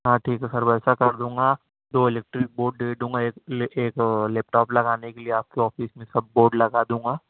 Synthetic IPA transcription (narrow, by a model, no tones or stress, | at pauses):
ɦãːʈʰiːkɦɛsɐɾbɛːsakɐɾd̪ũːŋɡaː | d̪oːɪlɛːk̚ʈɾɪk̚boːɾɖd̪eːɖ̪ũːŋɡaeːkeːklɛːp̚ʈɔːplɐɡaːnekelieaːp̚keɔːfiːsmẽsɐb̚ːoːɾɖlɐɡaːd̪ũːŋɡaː